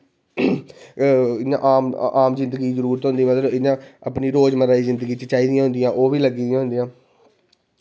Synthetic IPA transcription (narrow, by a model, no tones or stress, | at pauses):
ɪnã̰ːʔaːmaːmzɪ̃nd̪əɡiːzəɾuːɾt̪ɦõnd̪iːmət̪ləbɪnãːəpniːɾoːd͡ʒmənɾaːiːzɪ̃nd̪əɡiːt͡ʃət͡ʃaːiːd̪ɪjãɦʊ̃nd̪ɪjãːʔoːʋiːləɡiːd̪ijãːɦʊnd̪ɪjãː